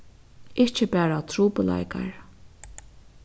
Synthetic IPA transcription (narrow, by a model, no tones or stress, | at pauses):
ɪht͡ʃɪpɛːɹat̪ʰɾuːpəla̰jka̰ɹ